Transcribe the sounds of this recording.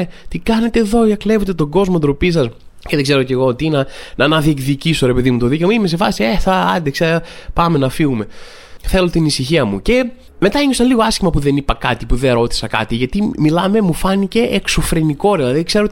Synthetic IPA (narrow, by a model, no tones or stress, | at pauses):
et̪ikɐne̞t̪eːðo̞iɐkle̞vet̪et̪o̞ɡo̞zmod̪ɾo̞pis̬ɐs | ceðeɡze̞ɾo̞ce̞ɣo̞ot̪inɐnɐːnɐðiekðiciso̞ɾe̞pe̞ðimut̪oðicemɐime̞s̬e̞fɐsieθɐɐ̰nd̪eksepɐme̞nɐfiɣume̞ | θe̞lo̞t̪inisiçiɐmuce̞ | me̞t̪ɐeɲosɐliɣoɐscimɐpuðe̞nipɐkɐt̪ipuðeɾo̞t̪i̥sɐkɐ̰t̪iʝɐt̪imilɐme̞mufɐnice̞ʔːksofɾeniko̞ɾelɐðikse̞ɾo